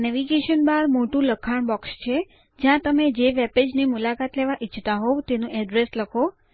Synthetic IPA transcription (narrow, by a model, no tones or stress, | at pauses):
nɛʋiɡeʃənbaɾmoʈũləkʰaɳbɔkst͡ʃʰe | d͡ʒjãt̪əmed͡ʒeʋɛped͡ʒnimulakat̪leʋaʔit͡ʃʰt̪aɦot̪enũʔɛɖɾesləkʰo